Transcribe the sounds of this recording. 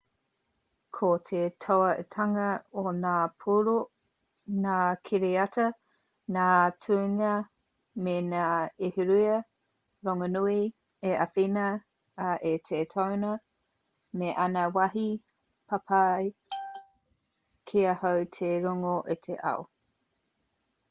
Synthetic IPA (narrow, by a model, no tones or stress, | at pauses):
kʰotʰetʰoɐʔetʰɐŋɐonaːpʰuɾo | naːkʰeɾeɐtɐ | naːtʰuːŋɐ | menaːeheɾuɐ | ɾoŋonui | eʔɐfinɐ | ʔetʰetʰownɐ | meʔɐnɐwɐɦi | pʰapʰaj | kʰiɐhawtʰeɾoŋoʔetʰeʔa̰o